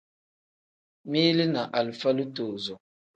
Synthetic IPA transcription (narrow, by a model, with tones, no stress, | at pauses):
mi˦li˦na˨ʔa˨lfa˦lu˦to˨zɔ˨